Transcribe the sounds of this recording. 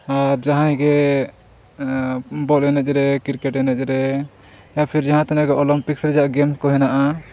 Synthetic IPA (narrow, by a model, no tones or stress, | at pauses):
aɾd͡ʒaɦãj̃ɡɛ | bɔlɛnɛt͡ʃ̚ˀɾɛkiɾkɛʈɛnɛt͡ʃ̚ˀɾɛ | japʰiɾd͡ʒaɦãt̪anɛɡɛʔɔlɔmpiksɾɛd͡ʒaʔɡɛmskɔɦɛnaʔa